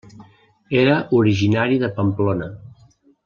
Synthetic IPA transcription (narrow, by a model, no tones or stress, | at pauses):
eɾəʔuɾiʒinaɾiðəpəmplonə